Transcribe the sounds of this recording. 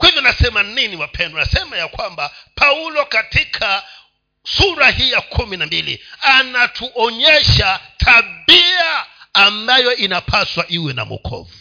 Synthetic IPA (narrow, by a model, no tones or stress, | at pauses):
kwahivjɔnasɛmaniniwapʰɛndɔnasɛmajakwambapʰaulɔkatikʰa | suɾahijakʰuminambilḭanatʰuʔɔɲɛʃatʰaɓiaːmbajɔʔinapʰaswaʔiwɛna̰mṵkʰɔ̰vu